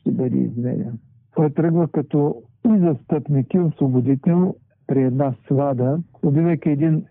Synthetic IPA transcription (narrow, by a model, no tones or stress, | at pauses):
ʃt̪ɛbəd̪ɛ̰ḭzmɛ̰ɾʲɛ̰n | t̪ɔjt̪ɾəɡləkɐt̪ɔ | izɐst̪əpnikʲioslobod̪it̪ɛlˠ | pɾiɛd̪naslˠad̪əobivɛjkʲiɛd̪in